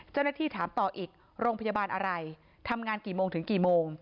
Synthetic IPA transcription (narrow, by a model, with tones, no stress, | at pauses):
t͡ɕa˥˩wna˥t̪ʰiː˥˩t̪ʰaː˩˦mt̪ɔː˨˩ʔiː˨˩k̚ | ɾoː˧ŋpʰa˧jaː˧baː˧nʔa˧ɾa˧j | t̪ʰa˧mŋaː˧nkiː˨˩moː˧ŋt̪ʰɯ˩˦ŋkiː˨˩moː˧ŋ